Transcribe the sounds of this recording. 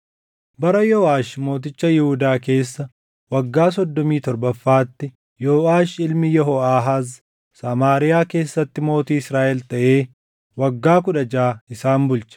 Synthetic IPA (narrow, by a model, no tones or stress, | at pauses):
bɐɾɐjɔːaːʃmo̞ːt̪̬ɪt͡ʃːɐjɪhʊd̪aːke̞ːsːɐ | wɐɡːaːs̬ɔd̪ːɔmiːt̪ɔɾbɐfːaːt̪ːɪ | joːaːʃɪlmɪjɔɦɔaːɦaːz | sɐmaːɾɪjaːke̞ːsːɐt̪ːɪmo̞ːt̪iːɪsɾaːʔɛlt̪ɐʔe̞ː | wɐɡːaːk̬ʊᶑɐd͡ʒaːɪsaːnbʊlt͡ʃɐ̥